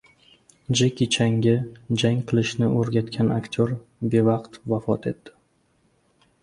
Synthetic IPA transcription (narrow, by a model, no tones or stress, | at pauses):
d͡ʒekʲɪt͡ʃʰaŋɡʲɪd͡ʒaŋʲqʰɨlˠɪʃnɪʔoɾɡʲat̪kʲʰanakt̪ʲʰoɾbe̞vɑqt̪vafɒt̪ʰe̞t̪ːɪ̥